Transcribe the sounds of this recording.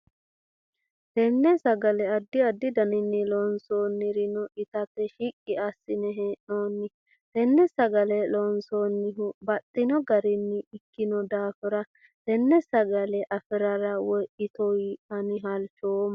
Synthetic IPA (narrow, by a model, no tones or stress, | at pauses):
t̪ɛnːɛsɐɡɐlɛɐd̪ːɪɐd̪ːɪd̪ɐnɪnːɪlɔnsoːnːɪɾɪnɔʔɪt̪ɐtːɛʃikʼːɪɐsːɪnɛɦeːʔoːnːɪ | t̪ɛnːɛsɐɡɐlɛlɔnsoːnːɪɦʊbɐt̪ʼːɪnɔɡɐɾɪnːɪɪkːɪnɔd̪aːfɪɾɐ | t̪ɛnːɛsɐɡɐlɛʔɐfɪɾɐɾɐwɔjʔɪt̪ɔjɐnɪɦɐlt͡ʃoːm